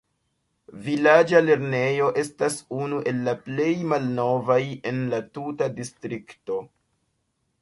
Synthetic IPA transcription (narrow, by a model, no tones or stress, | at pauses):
vilad͡ʒale̞ɾne̞jo̞ʔe̞stasunuʔe̞lːaple̞jmalno̞vaje̞nlatutadistɾikto̞